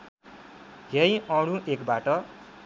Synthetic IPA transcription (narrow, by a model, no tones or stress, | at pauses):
ɦej̃ʌɽ̃ũʔekbaʈʌ